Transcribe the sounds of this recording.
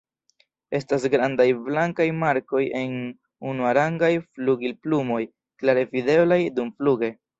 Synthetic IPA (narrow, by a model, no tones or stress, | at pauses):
e̞stas̬ɡɾandajblaŋkajmaɾko̞je̞n | unuaɾaŋɡajfluɡilplumo̞j | klaɾe̞vide̞blajdumfluɡe̞